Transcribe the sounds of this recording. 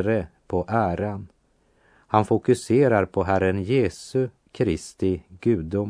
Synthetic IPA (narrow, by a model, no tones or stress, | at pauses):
ɾəpʰɔʔæːɾan | hanfʊkɵseːɾaɾpʰɔɦæɾənjeːsɵ | kʰɾɪst̪ɪɡʉ̟ːd̪ʊm